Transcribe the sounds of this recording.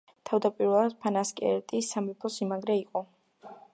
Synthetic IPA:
t̪ʰavd̪apʼiɾɛlˠad̪̥̚pʰanaskʼɛ̰ɛɾt̪ʼisamɛpʰɔsimaɡɾɛiqʼɔ

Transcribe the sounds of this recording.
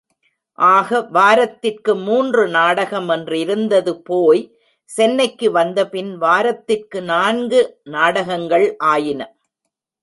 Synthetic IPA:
ʔaːɣɐʋaːɾɐt̪ːɪrkɯmuːndrɯnaːɽɐɣɐmɛndrɪɾɯnd̪ɐðɯpoːj | sɛnːɐɪkːɯʋɐnd̪ɐpɪnʋaːɾɐt̪ːɪrkɯnaːnɡɯnaːɽɐɣɐŋɡɐɭʔaːjɪnɐ

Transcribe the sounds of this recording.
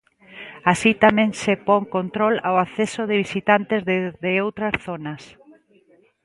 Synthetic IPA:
asit̪amẽŋsepɔŋkont̪ɾɔlawaθesoðɪβisit̪ant̪ɪzððeowt̪ɾɐsθonɐs

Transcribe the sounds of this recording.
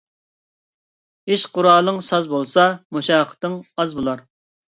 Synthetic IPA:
eʃqʊɾɑːlˠəŋsɑzbolˠsɑmuʃɑːqʰə̥t̪əŋɑzbolˠɑɾ

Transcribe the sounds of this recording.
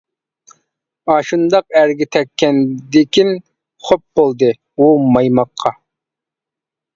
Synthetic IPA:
ɑʃund̪ɑq̚æɾɡʲɛt̪ʰɛkʲːɛnd̪ekʲʰin | χop̚bolˠd̪ɨ | umɑjmɑqʰːɑ

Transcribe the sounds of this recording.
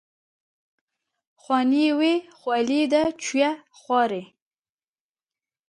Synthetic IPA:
xwɑniwexwɑlid̪ət͡ʃwja | xwʷɑɾe

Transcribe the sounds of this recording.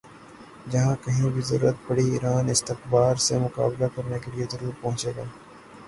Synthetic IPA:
d͡ʒɐɦãkɐɦĩbʱizɐ̰ɾuːət̪̚bɐɽiiːɾaːnɪst̪ɪxbaːɾsemʊka̰ːblakɐɾnekelijezɐɾuːɾpɐ̃ɦʊ̃t͡ʃeːɡaː

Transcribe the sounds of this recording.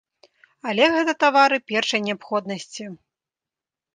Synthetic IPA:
alʲɛɣɛt̪ɐt̪avaɾɨpʲɛrʂɐjnʲɛapxɔd̪nɐsʲt͡sʲi

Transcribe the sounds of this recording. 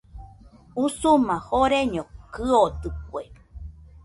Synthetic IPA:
usumãhoɾeɲõkɨod̪ɨk̚ʷwe

